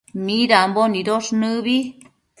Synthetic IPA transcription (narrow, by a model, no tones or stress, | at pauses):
miɾamboniɾoʂnɨβi